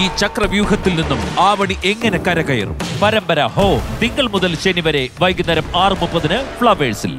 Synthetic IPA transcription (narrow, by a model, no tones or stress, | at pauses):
iːt͡ɕɐkrɐʋjuːɦɐt̪ːilninːumaːʋɐɳiʔeŋːɐne̞kɐɾɐɣɐjɐ̰rṵmpɐɾɐmbɐɾɐ̰hoːt̪iŋɡɐɭmuðɐlɕenːiʋɐɾe̞ʋɐjɡinːɐɾɐmaːrɨmupːɐðinɨfɭɐʋeːsil